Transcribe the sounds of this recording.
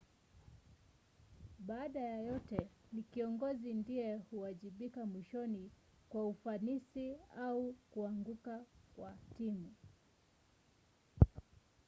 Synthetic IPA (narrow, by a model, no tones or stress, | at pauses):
ɓaːɗajajɔtɛ | nikiɔŋɡɔzindiɛhuaʄiɓikamwiʃɔni | kwaufanisiaukuaŋɡukakwatimu